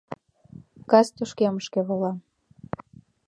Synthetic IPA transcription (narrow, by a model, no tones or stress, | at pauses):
kɑst̪uʃkeməʃkeβolɑ